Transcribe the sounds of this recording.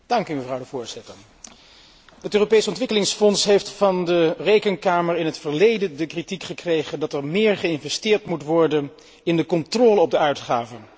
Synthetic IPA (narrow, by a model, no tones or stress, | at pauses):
d̥ɑŋkyməvrʌwdəvʊːɹz̥ɪtəɹ | ɦətøːropejsɔntʋɪkəlɪŋsfɔnsɦejftfɑndərejkənkaːməɹɪnɦətfəɹlejdəndəkritikχəkrejχəndɑtɛɹmɪːɹχəɪnvɛstɪːɹtmutʋɔɹdən | ɪndəkɔntrɔːləɔb̚dəœɥtχaːvə